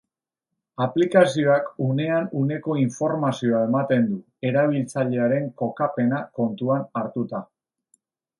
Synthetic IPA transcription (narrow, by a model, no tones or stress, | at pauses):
aplikasio̞akune̞anune̞ko̞iɱfo̞ɾmasio̞ae̞mat̪e̞nd̪u | e̞ɾaβ̞ilt͡saʎe̞aɾe̞ŋko̞kape̞nako̞nt̪uanaɾt̪ut̪a